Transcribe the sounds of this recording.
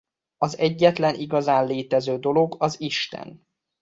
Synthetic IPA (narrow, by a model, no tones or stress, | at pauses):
ɒzɛɟːɛt̪lɛnʔiɡɒzaːnleːt̪ɛzøːd̪o̞lo̞ɡɒziʃt̪ɛ̰n